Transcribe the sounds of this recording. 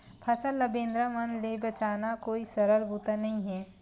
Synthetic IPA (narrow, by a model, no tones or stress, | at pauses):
pʰɐsəlːɐbẽːnd̪ɾamɐnlebɐt͡ʃaːnakoːisɐɾəlbuːt̪anɐɦĩɦɛː